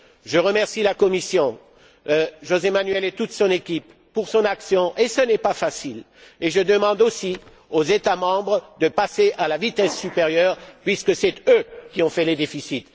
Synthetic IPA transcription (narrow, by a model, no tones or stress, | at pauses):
ʒəʁəmɛʁsilakɔmisjɔ̃ | ʒozemanɥɛlet̪ut̪sɔ̃nekʲipːuʁsɔ̃naksjɔ̃ʔesənɛpafasil | eʒəd̪əmɑ̃d̪osi | ozet̪amɑ̃bʁəd̪əpaseʔalavit̪ɛsːypeʁjœːʁpɥiskəsɛt̪økʲiɔ̃fɛled̪efisit̪